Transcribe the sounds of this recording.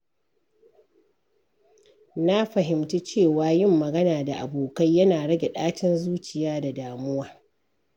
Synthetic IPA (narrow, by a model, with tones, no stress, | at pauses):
na˦ɸɐ˨ɦɪ˨mtu˦t͡ʃeː˦˨waː˨jɪ˦˨mːɐ˨ɡɐ˦naː˨da˨ʔa˨boː˨ka˦jːɐ˦naː˨ɽɐ˦ɡʲe˨ɗaː˦t͡ʃɪ˦nzuː˦t͡ʃɪ˨jaː˦da˨daː˨mʊ˦waː˦